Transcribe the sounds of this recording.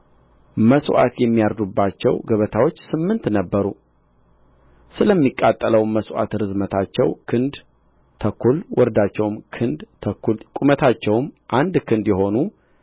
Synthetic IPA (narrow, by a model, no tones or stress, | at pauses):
məswa̰t̪jɛmːijaɾd̪ubːat͡ʃːɛ̰wɡəβət̪ʰawo̞t͡ʃːsɨmːɨnt̪nəbːəɾṵ | sɨləmːikʼːat̪ʼːələwməswa̰t̪ɾɨzmət̪ʰat͡ʃːɛwkʰɨnd̪ | t̪ʰəkʰːulwʔɔɾd̪at͡ʃːɛwmkʰɨnd̪kʼumət̪ʰat͡ʃːɛwmʔand̪kʰɨnd̪jɛɦo̞nu